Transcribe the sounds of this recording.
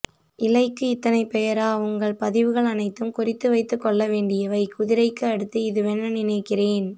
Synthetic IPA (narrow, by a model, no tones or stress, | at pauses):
ʔɪlɐɪkːɯɪt̪ːɐnɐɪpɛjɐɾaːʊŋɡɐɭpɐðɪʋɯɣɐɭɐnɐɪt̪ːɯmkʊrɪt̪ːɯʋɐɪt̪ːɯkːɔɭːɐʋeːɳɖɪjɐʋɐɪkʊðɪɾɐɪkːɯɐɽɯt̪ːɯɪðɯʋɛnːɐnɪnɐɪkːɪreːn